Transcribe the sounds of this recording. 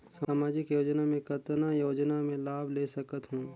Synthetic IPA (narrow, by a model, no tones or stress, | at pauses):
saːmaːd͡ʒɪkjoːd͡ʒnamẽkət̪najoːd͡ʒnamẽlaːbʱleːsɐkət̪ɦũː